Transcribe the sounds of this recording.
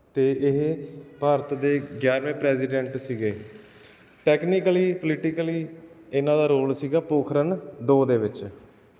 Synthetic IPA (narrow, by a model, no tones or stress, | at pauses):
t̪eːʔɪɦpaːɾət̪d̪eːɡjaːɾmẽːpɾɛːsɪːɖɛ̃ːɳʈsiːɡeː | ʈɛːkniːkəliːplɪʈiːkəliːɪnãːd̪aːɾoːlsiːɡaːpoːkʰɾənd̪oːd̪eːʋɪt͡ʃ